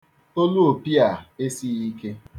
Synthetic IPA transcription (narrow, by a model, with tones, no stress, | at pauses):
o˦lu˦o˨pi˦a˨e˦si˦i˦ke˦